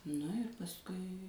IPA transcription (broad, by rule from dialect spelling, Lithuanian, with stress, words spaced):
ˈnʊ ɪr pɐsˈkʊɪ